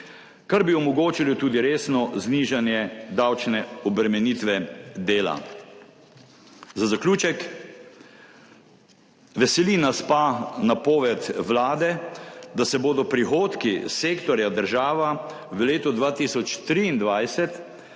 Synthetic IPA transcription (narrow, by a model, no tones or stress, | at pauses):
kaɾbiɔmɔɡoːt͡ʃilit̪uːd̪iɾeːsnɔzniːʒanjɛd̪awt͡ʃnɛɔbɾɛmɛniːt̪ʋɛd̪eːla̰ | zazaklʲuːt͡ʃɛk | ʋɛsɛlinaspanapoːʋɛt̪ʋlaːd̪ɛd̪asɛboːd̪ɔpɾixoːt̪kiseːkt̪ɔɾjad̪əɾʒaːʋa | ʋəleːt̪ɔd̪ʋaːt̪isɔt͡ʃt̪ɾiːnd̪ʋajsɛt̪